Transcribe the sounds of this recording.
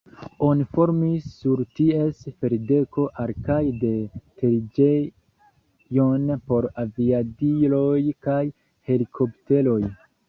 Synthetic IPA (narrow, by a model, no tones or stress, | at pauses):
o̞nifo̞ɾmisːuɾtie̞sfe̞ɾde̞ko̞ʔaɾkajde̞te̞lid͡ʒe | jonpo̞ɾaviadilo̞jkaj | he̞likʰo̞pte̞lo̞j